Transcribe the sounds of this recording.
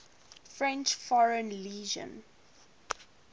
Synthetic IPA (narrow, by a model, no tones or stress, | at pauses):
fɹɛ̃nt͡ʃfɔɹə̃nliːʒə̰̃n